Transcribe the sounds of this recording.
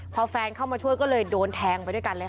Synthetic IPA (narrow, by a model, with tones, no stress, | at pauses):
pʰɔ˧fɛː˧nkʰa˥˩wmaː˧t͡ɕʰu˥˩əjkɔː˥˩lɤː˧jdoː˧nt̪ʰɛː˧ŋpa˧jdu˥˩˨jka˧nlɤː˧j